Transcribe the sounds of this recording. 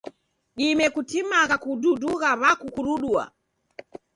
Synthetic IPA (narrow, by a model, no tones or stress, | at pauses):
ɗimɛkutimakakududuɣaβakukuɾuɗua̰